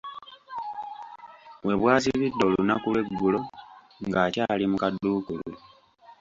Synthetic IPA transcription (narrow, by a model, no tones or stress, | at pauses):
βwe̞βwaːsiβidːo̞lunakulwe̞ɡːulo̞ | ŋɡaːcaːlimukadːuːkulḛ